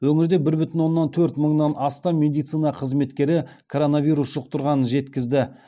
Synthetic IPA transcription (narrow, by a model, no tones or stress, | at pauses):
wɵŋɪɾd̪ebɪɾbʏt̪ɪnwo̞nːɑnt̪ʰɵɾt̪məɴnɑnʔɑst̪ɑme̞d̪ijt̪sɨinɑqʰəzme̞t̪kʲe̞ɾɪkʰo̞ɾo̞navʲijɾusʒʊq̚t̪ʊɾʁɑnənʒe̞t̪kʲɪzd̪ɪ